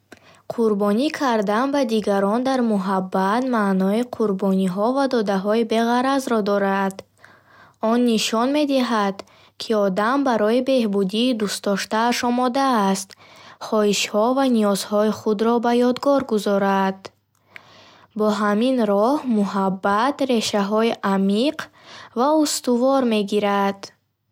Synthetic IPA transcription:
qʰuɾbɔnikʰaɾd̪anbad̪iɡaɾɔnd̪aɾmuɦabːat̪manɔiqʰuɾbɔniɦɔvad̪ɔd̪aɦɔibe̞ʁaɾazɾɔd̪ɔɾad̪ | ɔnːiʃɔnme̞d̪iɦad̪̥ | kʰiɔd̪ambaɾɔibe̞hbud̪iːd̪ust̪ɔʃt̪aːʃɔmɔd̪aːst̪χɔiʃhɔvaniɔzhɔiχud̪ɾɔbajɔd̪ɡɔɾɡuzɔɾad̪̥ | bɔɦaminɾɔhmuɦabːat̪ɾe̞ʃaɦɔiʔamiqʰvaust̪uvɔɾme̞ɡiɾad̪̥

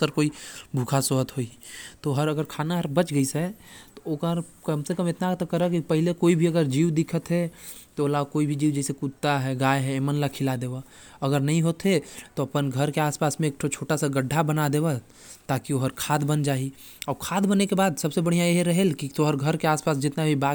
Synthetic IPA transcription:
səɾkoːibʱuːkʰasoɦət̪ɦoit̪oɦəɾɐɡəɾkʰaːnaɦɐɾbɐt͡ʃɡəisɛt̪ookəɾkəmsekəmɪt̪nat̪kəɾəkipɛɦlekoːibʱiɐɡəɾd͡ʒiːʋd̪ɪkʰət̪ɦɛt̪ooːlakoːibʱid͡ʒiːwd͡ʒɛːsekut̪ːaɦɛɡaːjɦɛeːmənlakʰɪlad̪eːʋaɐɡəɾnɐɦĩɦoːt̪et̪oɐpənɡʱəɾkeaːspaːsmẽeːk̚ʈʰot͡ʃʰoːʈasaɡəɖʱːabənad̪eːwa | t̪aːkioɦəɾkʰaːd̪bənd͡ʒaːi | ɔːɾkʰaːd̪bənekebaːd̪sɐbsebɐɽ̤ijãjeɦeɾɐɦelkit̪oɦəɾɡʱɐɾkeaːspaːsd͡ʒɪt̪nabʱiba

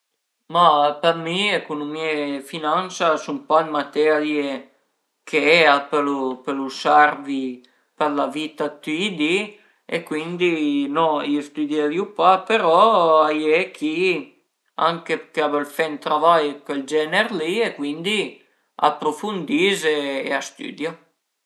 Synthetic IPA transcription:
mapeɾmiekunumiefinansasumpalmat̪ɛlje | kʰeɛapelupelusaɾvi | peɾlavit̪at̪id̪i | ḛkwind̪inɔiest̪ud̪javjupapeɾɔajekʰi | aŋkekeabalfɛnt̪ɾavajkeld͡ʒɛneɾliekwind̪i | a̰pɾofund̪izeeast̪y̰d̪jo

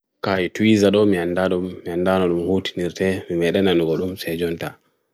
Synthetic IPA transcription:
kajituwizaɗɔmiandaɗumːiandanɔɗumhoːti̥niɾtɛmimɛɗɛnanuɡɔɗumsɛd͡ʒɔnta

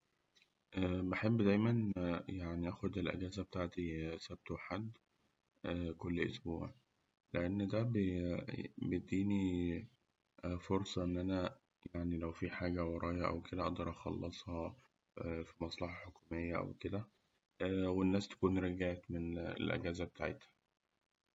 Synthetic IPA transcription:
ʔæːbeħebːd̪æjmænjaʕniʔæːxod̪elʔæ̰ɡæːzæbet̪aːʕt̪isæb̚t̪oħad̪ː | ʔækolːʔo̰sbṵːʕ | leʔenːd̪æb | bed̪iːni | foɾsˤɑʔenːʔænæ | jaʕnilæwfiːħaːɡæwɑɾˤɑːjɑʔæ̰wked̪æʔɑd̪ɑɾˤʔɑxɑ̰lːesˤhɑ | fimɑsˤlɑħɑħokuːmejːæʔæ̰wked̪æ | wenːæːst̪æ̥kuːnɾeɡeʕt̪menḛlʔæ̰ɡæːzæbet̪aʕet̪hæ̥

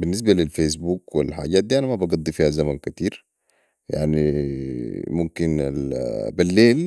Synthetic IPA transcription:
binːis̬balilfes̬buːkwḭlħa̰ːɟaːt̪̚d̪iːʔanamabɑɡɑd̪ˤːifiːhazamankat̪iːɾ | ja̰ʕni | mumkina̰lbilːeːl

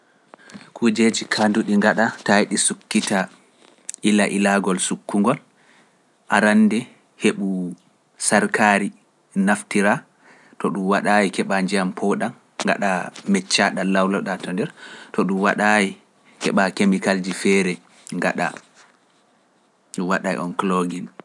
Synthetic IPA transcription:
kʰud͡ʒed͡ʒikʰanduɗiŋɡaɗatajɗisukːita | ʔilaʔilaɡɔlsukːuŋɡɔl | ʔaɾanːdɛ | heɓu | saɾkʰaːɾi | naftiɾa | tɔɗumwaɗajikɛɓaɲd͡ʒijampʰɔɗanː | ɡa̰ɗamɛt͡ʃːaɗalawlɔɗatɔndɛɾtɔɗumwaɗaji | kɛ̰ɓakemikald͡ʒifɛːɾɛ | ŋɡaɗa̰ | ɗuwaɗajḭʔɔnkloɡin

